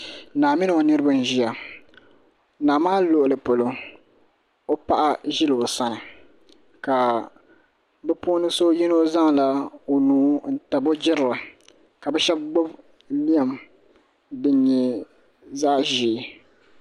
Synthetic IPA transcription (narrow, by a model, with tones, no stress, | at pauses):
naː˨mɪ˦nɨ˨o˨nɨ˦ɾɨ˦ba˦n˦ʒi˦ja˨ | naː˨maː˦lo˨ʔʊ˨lɨ˨po˨lo˨ | o˦pa˦ʔa˦ʒɪ˦lɨ˨o˨sa˦nɨ˨ | ka˨ | bɛ˦po˦nɨ˦so˦jɛ˦no˦za˦ŋ˨la˦o˨nuː˦n̩˦ta˨bo˦d͡ʒɪ˦ɾɨ˨lɨ˨ | ka˨bɛ˦ʃɛ˦b̚ɡ͡bo˦b | li˦a˨m | dɨ˦ɲɛ˦ | zaː˦ʒiː˨